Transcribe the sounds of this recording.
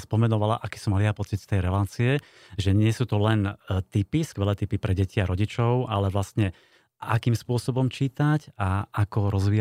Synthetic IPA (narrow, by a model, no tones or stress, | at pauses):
spɔmɛnɔʋalaʔaki̥sɔmaliapɔt͡sit̪st̪ɛjɾɛlaːt͡siɛ | ʒɛɲɪɛsuːt̪ɔlɛnt̪ipiskʋɛlɛːt̪ipipɾɛɟɛciaɾɔɟit͡ʃɔʊʔalɛʋlast̪ɲɛ | akiːmspʊɔsɔbɔmt͡ʃiːt̪acaʔakɔɾɔzʋiːa